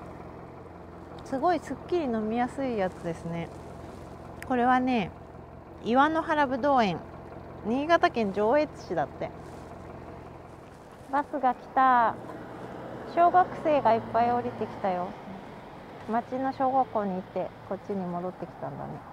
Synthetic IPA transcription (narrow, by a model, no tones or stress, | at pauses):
sɨɡo̞isɨkʲːiɾʲino̞mʲijasɨijat͡sɨd̪e̞sɨne̞ | ko̞ɾe̞β̞ane̞ | iβano̞ɦaɾabɯ̟d̪o̞ːẽ̞ŋ | ɲ̟iːɡat̪akẽ̞ɲ̟d͡ʑo̞ːe̞t͡sɨ̥ɕid̪at̪ːe̞ | basɨɡakʲi̥t̪a | ɕo̞ːɡakɯ̟̥se̞ːɡaipːaio̞ɾʲit̪e̞kʲi̥t̪ajo̞ | mat͡ɕino̞ɕo̞ːɡakːo̞ːɲ̟iːt̪ːe̞ko̞tːiɲ̟imo̞d̪o̞t̪ːe̞kʲi̥t̪ãnd̪a̰ne̞